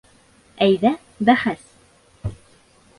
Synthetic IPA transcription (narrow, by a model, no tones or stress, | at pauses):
æjðæ | ðæχæs